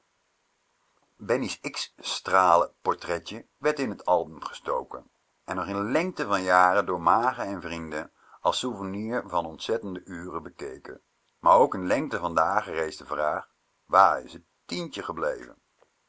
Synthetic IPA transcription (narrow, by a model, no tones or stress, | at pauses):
bɛnisɪksstraːləpɔɹtrɛtə | ʋɛɹtɪnɦətɑlˠbəmχə̥sto̰wkə̰n | ɛnːɔχɪnlɛŋk̚təvɑnjaːrədʊːɹmaːχəɛnvrindən | ɑlˠsuvəniːɹvɑnɔntsɛtəndəʔyːrəbəkejkə̰n | maːɹowkənlɛŋk̚təvɑndaːχərejsdəvraːχ | ʋaːɹɪ̰sə | tintəχəblḛjvə̰n